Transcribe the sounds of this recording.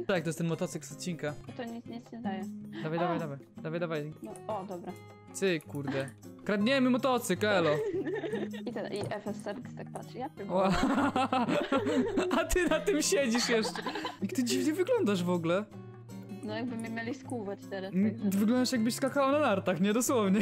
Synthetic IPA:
t̪ak̚t̪ɔjɛst̪ɛnmɔt̪ɔt̪sɨksɔt̪̚t͡ɕːiŋkaɔt̪ɔɲit̪sɲisɛvd̪ajɛd̪avajd̪avajd̪avajd̪vajd̪avajnɔɔd̪ɔbɾa | t̪sɨkuɾd̪ɛkɾad̪ɲɛməmɔt̪ɔt̪sɨkɛlɔ | it̪ɛʔiʔɛfɛsɛɾst̪ak̚t̪atjap̪ɨwa | at̪ɨnat̪ɨmɕɛd͡ʑiʂjɛʂt͡ʂɛikt̪ɨd͡ʑivɲɛvɨɡlɔnd̪aʐvɔɡlɛ | nɔjaɡ̚bɨmɪmjelʲiskuvat͡ɕt̪ɛɾast̪vɨɡlɔnd̪aʂjaɡ̚bɘɕskakawanad̪aɾt̪axɲɛd̪ɔswɔvɲɛ

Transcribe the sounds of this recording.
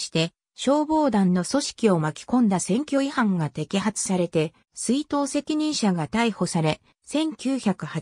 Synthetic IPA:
ɕi̥t̪e̞ | ɕo̞ːbo̞ːd̪ãnːo̞so̞ɕi̥kʲio̞makʲi̥kõ̞nd̪asẽ̞ŋkʲo̞ihãŋɡat̪e̞kʲiɦat͡sɨ̥saɾe̞t̪e̞ | sɨit̪o̞ːse̞kʲiɲ̟ĩɰ̃ɕaɡat̪aiho̞saɾe̞ | sẽ̞ŋkʲɨːçakɯ̟ha

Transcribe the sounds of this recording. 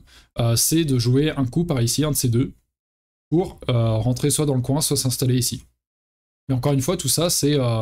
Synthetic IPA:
øsɛd̪əʒueɛ̃kupaʁisiɛ̃d̪əsed̪ø | puʁøʁɑ̃t̪χeswad̪ɑ̃ləkwɛ̃swasɛ̃st̪aleisi | meɑ̃kɔʁynfwat̪usasɛø

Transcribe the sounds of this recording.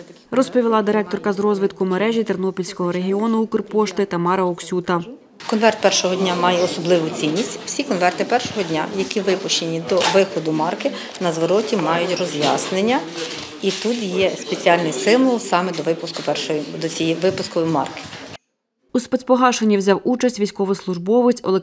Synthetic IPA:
rɔspɔʋʲilˠɑd̪ɪɾɛk̚t̪ɔrkɐzrɔzʋɪt̪kʊmeɾɛʒʲit̪ernɔpʲilʲsʲkɔɦɔɾeɦʲiɔnʊukʊrpɔʃt̪ɪt̪ɐmɑɾɐɔksʲut̪ɐ | kɔnʋɛrt̪̚pɛrʃɔɦɔdʲnʲamɑjɛɔsɔblˠɪʋʊt͡sʲinʲːisʲtʲwsʲikɔnʋɛrt̪ɪpɛrʃɔɦɔdʲnʲa̰jɐkʲiʋɪpʊʃt͡ʃenʲid̪ɔʋɪxɔd̪ʊmɑrkɪ | nɐzʋɔɾɔtʲimɑjʊtʲrɔzʲjɑsnenʲːɐ | it̪ut̪jɛspet͡sʲiɑlʲnɪjsɪmʋɔlˠsɑmɛd̪ɔʋɪpʊskʊpɛrʃɔjd̪ɔt͡sʲijiʋɪpʊskɔʋʊmɑ̰rkɪ̥ | uspɛspɔɦɑʃenʲːiwzʲɑwut͡ʃɐsʲtʲʋʲijsʲkɔʋʊslˠʊʒbɔʋɪt͡sʲɔ̰lˠe

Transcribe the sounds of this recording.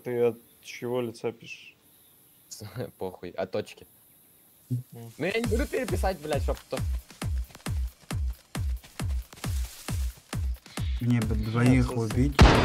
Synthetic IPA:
t̪ɨɐt̪ | t͡ɕɪvolʲɪt̪sapʲiʂ | poxʊjʔɐ̰t̪ːot͡ɕkʲɪ | nʊjanʲɪbud̪ʊpʲɪɾʲɪpʲɪs̬atʲblʲaʃopt̪ːo | mnʲebɨd̪vɐixʊbʲitʲ

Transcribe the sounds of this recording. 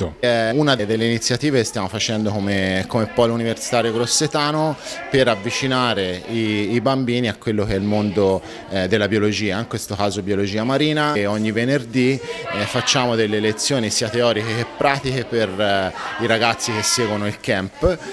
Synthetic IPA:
ɛunad̪d̪elːeinit̪sːjat̪iːvekest̪jamofat͡ʃɛnd̪okomekomepːɔjluniversi̥t̪aːɾjoɡɾosːet̪aːnopeɾavːit͡ʃinaːɾeiːbambiːniakwelːokeɛlmond̪o | d̪elːabjolod͡ʒiːaiŋkwest̪okaːzobjolod͡ʒiːamaɾiːnaoɲːivenerd̪ifat͡ʃːaːmod̪elːelet̪sːjoːnisiːat̪eɔːɾikeepːɾaːt̪ikeperiɾaɡat̪sːikesːɛːɡwonoilkɛmp

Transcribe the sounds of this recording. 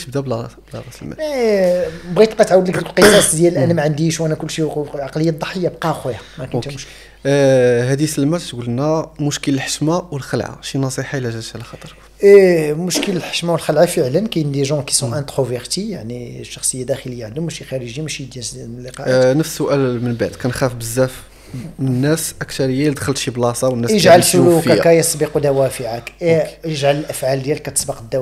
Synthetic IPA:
t̪əb̚d̪æblblɑɾˤɑsəlmæ̰ | bɣit̪qɑt̪ʕawəd̪ləkdəklqəsˤɑsˤd̪jæləlʔænæmæʕənd̪iʃwʔænækʊlːʃiʕaqləjːad̪ˤːɑħəjːabqɑxwæjæmækt̪mʊʃkə | hæd̪isəlmæt̪t̪ɡulənːæmʊʃkələlħə̥ʃmawəlxəlʕa̰ʃinɑsˤiħalæʒæʕlæxɑt̪ˤəɾˤ | mʊʃkələlħə̥ʃmawəlxəlʕafəʕlənkæjnd̪eʒɑ̃ki̥sɔ̃ʔæ̃t̪ʁoveɾt̪ijaʕniʃːɑxsˤəjːad̪æxələjːaʕd̪umːæʃixæɾəʒimæʃid̪jælːiqɑʔnəfssʊʔælmənbaʕd̪kænxæfbəzːæf | ənːæsʔəkt̪ɑɾˤəjːald̪xəlt̪ʃiblɑsˤɑwənːæjəʒʕalfəlukækæjəsˤbəqwd̪æwæfəʕakjəʒʕaləlʔəfʕald̪jælkæt̪əsbəqəd̪ːæ

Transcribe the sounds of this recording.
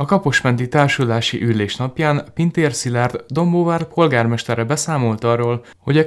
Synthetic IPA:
ɒkɒpo̞ʃmɛnt̪it̪aːrʃud̪aːʃḭʔylːeːʃnɒpjaːnpint̪eːrsilɛrd̪d̪o̞mboːvart̪pʰo̞lɡaːrmɛʃt̪ɛrɛbɛsaːmo̞lt̪ɒrːoːl | ho̞ɟɛ

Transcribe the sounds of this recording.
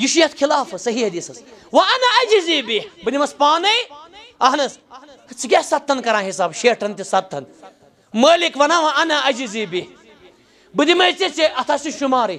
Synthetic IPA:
jiʃujɐt̪xʰilaːfɐsɐɦiːhɐd̪iːsɐswɐɐnɐɐd͡ʒiziːbihbɨd̪imɐspaːnɐjɐɦnɐsɐt͡sʰik̬ʲesɐt̪ʰːɐnkɐɾãːɦisaːbʃeːʈʰɐnt̪isɐt̪ʰːɐn | mɐːlikʋɐnãːʋɐʔɐnɐɐd͡ʒiziːbih | bɨd̪imɐjt͡sit͡seɐt̪ʰaːsiʃumaːɾɐj

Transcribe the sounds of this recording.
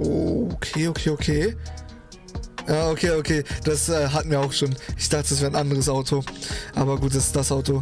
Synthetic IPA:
ʔokʰeːokʰeːokʰeː | ʔaːʔokʰeːokʰeːd̥asʔɛːɦatmiːɐaʊxʃoːnʔɪçd̥aχtədasv̥eːɐnʔandəʁəsʔaʊtʰoʔaːbɐɡuːt̚d̥asɪ̥sd̥asʔaʊto

